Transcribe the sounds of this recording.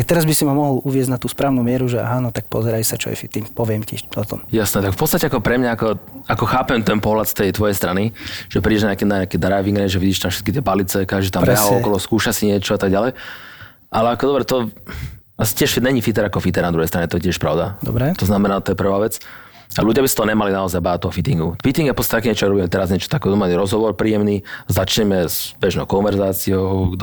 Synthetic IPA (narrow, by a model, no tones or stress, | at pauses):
ak̚t̪ɛɾazbisimamɔɦɔlʔuʋɪɛzɟnat̪uːspɾaːʋnumɪɛɾuʒɛa̰ɦaːnɔt̪ak̚pɔ̰zɛɾajsat͡ʃɔ̰jɛ̰fit̪iɲpɔʋɪɛmciɔt̪ɔ̰mjasnɛt̪akfpɔt͡st̪acɛakɔpɾɛmɲaakɔakɔxaːpɛmt̪ɛnpɔɦlat̪st̪ɛjt̪ʋɔjɛjst̪ɾaniʒ̥ɛpɾiɟɛʒnɲakɛnaɲakɛd̪ɾajʋiŋɡɾɛʒɛʋiɟɛʃt̪amfʃɛ̥t̪kit̪ɪɛbalit͡sɛkaʒit̪amɾbɛaɔkɔlɔskuːʃasiɲɪɛt͡ʃɔat̪aɡ̚ɟalɛj | ʔalɛakɔd̪ɔbɾɛt̪ɔ | asi̥cɪɛʃɲɛɲifit̪̬ɛɾakɔfit̪ɛɾnad̪ɾuɛjst̪ɾaɲɛt̪ɔjɛcɪɛʃpɾaʊd̪ad̪ɔɾɛt̪ɔznamɛnaːt̪ɔjɛpr̩ʋaːʋɛt͡s | aluɟɪabisat̪ɔɔɲɛmalinaɔzajbaːat̪ɔʊfit̪iŋɡufit̪iŋɡjapɔt͡sstat̪akɛɲɛt͡ʃɔaɡɾɔbiːmɛt̪ɛɾazɲɛt͡ʃɔ̥t̪akɛd̪ɔmaliɾɔzɦɔʋɔɾpɾiːjɛmnizat͡ʃɲɛmɛzbɛʒnɔʊkɔnʋɛɾzaːt͡siɔʊ